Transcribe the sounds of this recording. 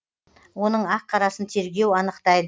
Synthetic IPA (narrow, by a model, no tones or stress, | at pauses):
wo̞nəɴɑqʰːɑɾɑsənt̪ʰe̞ɾɡʲe̞wɑnəqt̪ɑjd̪